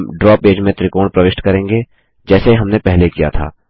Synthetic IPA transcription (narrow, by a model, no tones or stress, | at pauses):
mɖɾɔːpeːd͡ʒmẽt̪ɾɪkõːpɾɐʋɪʃʈkɐɾẽːŋɡe | d͡ʒɛːseiɦɐmnepɛɦlekija̰t̪ʰa̰ː